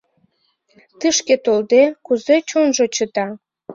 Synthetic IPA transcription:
t̪ɨʃket̪old̪ekuzet͡ɕonʒot͡ɕət̪ɑ

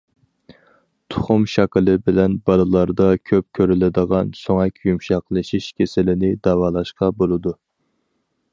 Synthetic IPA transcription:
t̪ʰʊ̥χʊmʃɑklˠɨbɪlɛnbɑlˠɨlˠɑɾd̪ɑkʲʰøp̚kʲʰøɾɪlɪd̪əʁɑnsoŋɛkʲjumʃɑqlˠɨʃiʃkʲʰesɪlɪnɪd̪ɑwɑːlˠɑʃqɑbolˠɨd̪u

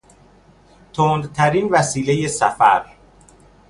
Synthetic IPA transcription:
t̪ʰoːnd̪t̪ʰæɾiːnvæsiːleje̞sæfæ̰ɾ

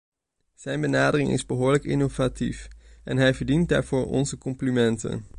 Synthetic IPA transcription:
z̥ɛjnbənaːdərɪŋʔɪ̰zbəɦʊːɹləkɪnovatifʔɛnɦɛjvəɹdint̚da̰ːɹv̥ʊːɹɔ̰nzəkɔmplimɛntə̰n

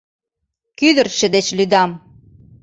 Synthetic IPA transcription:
kyd̪ə̆rʃə̆d̪et͡ɕlyd̪ɑm

